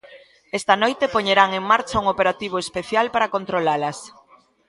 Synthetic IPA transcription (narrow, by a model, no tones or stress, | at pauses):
ɛst̪ɐnojt̪epoɲeɾaŋeŋmaɾt͡ʃauŋopeɾat̪iβ̞oespeθjalpaɾakont̪ɾolalɐs